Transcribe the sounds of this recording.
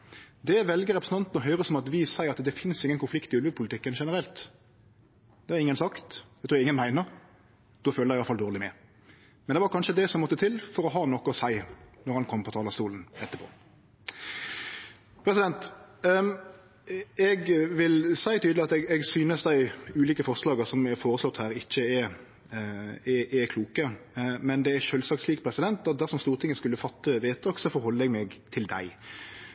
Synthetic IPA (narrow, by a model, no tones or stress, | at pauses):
d̪ɛʋɛlɡəɾɛpɾsn̩t̪ɑnt̪n̩ɔɦœʏɾəsɔmɑt̪ʋɪsæɪɾɑt̪d̪ɛfɪnsɪŋːənkʰʊnflɪkt̪ɪʉlʋʉpʰʊlɪt̪ɪkːənʃɛnəɾɛlt̪ | d̪̥ɛæɾɪŋːənsɑkt̪æɡt̪ʰuːɾɪŋːənmæɪnəɾ | d̪̥ɔføːlæɪɑfɑld̪oːʁlɪmɛ̰ | mɛnd̪ɛʋɑɾkʰɑnʃəd̪ɛsɔmɔt̪ːət̪ʰɪlfɔɾɔɦɑnɔkːəɔsæɪnɔɾhɑnkʰɔmːpʰɔt̪ʰɑːlɑst̪uːln̩ɛt̪ːəpʰo̰ː | pʰɾɛsɪd̪ɛnt̪ | ɛɡʋɪlsæɪt̪ʰyːd̪lɪɑt̪ɛɡɛɡsyːnəsd̪æɪʉːliːkəfɔʁʂlɑːɡəsɔmɛɾfoːɾəslɔt̪ːhæːɾɪçːəɛ | ɛʔɛkʰluːkəmɛnd̪ɛæʂœːlsɑktsliːkpʰɾɛsɪd̪ɛnt̪ɑt̪̚d̪æʁsɔmst̪uːɾt̪ɪŋːəskʉlːəfɑt̪ːəʋeːt̪ɔksɔfɔʁhɔlːəɛɡmɛɡt̪ʰɪld̪æ̰ɪ